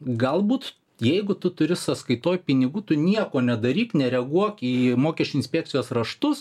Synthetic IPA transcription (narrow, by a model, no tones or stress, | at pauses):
ɡɐlˠbuːt̪ | jɛɪɡʊt̪ʊt̪ʊɾʲɪsɐskɐɪt̪oːjpʲɪnʲɪɡuːt̪ʊnʲiɛkoːnʲɛd̪ɐɾʲiːknʲɛɾʲɛɡuɔkiːmoːkʲɛʃʲt͡ʃʲʊɪnʲsʲpʲɛk̚t͡ssʲɪjoːsrɐʃt̪ʊs